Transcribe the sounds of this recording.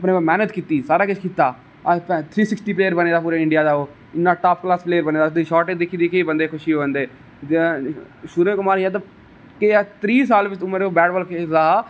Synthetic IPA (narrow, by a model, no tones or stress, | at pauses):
əpneːmɛːnət̪kiːt̪iːsaːɾaːkɪt͡ʃʰkiːt̪aː | pt̪ʰɾiːsɪksʈiːpleːjəɾbəneːd̪aːpuːɾeːɪ̃ɳɖɪjaːd̪aːoː | ɪnːãːʈaːpʰklaːspleːəɾbəneːd̪asd̪iːʃɔːɾʈed̪ɪkʰːiːd̪iːkeiːbənd̪eːkʰʊʃiːoːənd̪eː | ʃʊɾeːkʊmaːɾijaːt̪̬a | ket̪ɾiːs̬aːlʋɪt͡ʃʊməɾoːbɛːɖbɔːlked̪aː